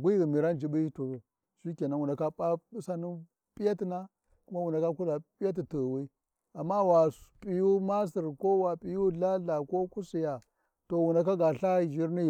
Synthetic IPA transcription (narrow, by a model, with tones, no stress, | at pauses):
ɡʷi˦ɣi˨mi˨ɾa˦nd͡ʒi˨bi˦to˨ | ʃi˦ke˨na˨wu˨nda˨ka˦pʼa˦i˦sa˦ni˦ | pi˦ja˦ti˨na˦ | ku˦ma˦wu˨nda˨ka˦ku˦la˨pi˦ja˦t̬i˨to˨wi˦ | a˨mːa˦wa˨pʼi˨ju˦ma˦s̬i˨ɾko˦wa˨pʼi˨ju˦ɮa˦ɮa˨ko˦ku˦si˨ja˨ | to˨wu˨nda˨k̬a˦ɡa˨ɬa˦ʒi˦ɾni˦j